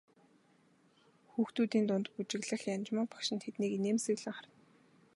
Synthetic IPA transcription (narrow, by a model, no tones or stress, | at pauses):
xuːxt̪uːt̪iːnt̪ʊnt̪put͡ɕɪ̆ɣɮə̆xjant͡ɕmaːpḁkʃɪ̆nt̪ʰet̪niːknemsɘ̆ɣɮɘ̆ŋχart̪